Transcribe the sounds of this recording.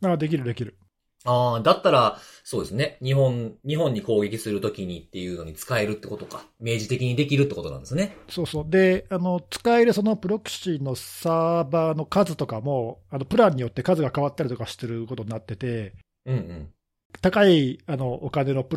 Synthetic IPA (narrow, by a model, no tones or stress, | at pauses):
aːd̪e̞k̬ʲiɾɯ̟d̪e̞kʲiɾɯ̟ | aːd̪at̪ːaɾaso̞ːd̪e̞sɨneɲ̟iɦõ̞nɲ̟iɦõ̞ɲ̟ːiko̞ːɡʲe̞kʲisɨɾɯ̟t̪o̞kʲiɲ̟it̪ːe̞jɯ̟ːno̞ɲ̟it͡sɨ̥kaeɾɯ̟t̪ːe̞ko̞t̪o̞kame̞ːʑit̪e̞kʲiɲ̟id̪e̞kʲiɾɯ̟t̪ːe̞ko̞t̪o̞nã̰nd̪e̞sɨneso̞ːso̞ːd̪e̞ano̞t͡sɨ̥kae̞ɾɯ̟so̞no̞pɯ̟ɾo̞kɯ̟̥ɕinːo̞saːbaːno̞kazɨt̪o̞kamo̞ːano̞pɯ̟ɾãɲ̟ːijo̞t̪ːe̞kazɨɡakaβat̪ːaɾʲit̪okaɕi̥t̪eɾɯ̟ko̞t̪o̞ɲinat̪ːe̞t̪e̞ | ɯ̟̃ɴɯ̟̃ɴ | t̪akaiano̞ʔokane̞no̞pɯ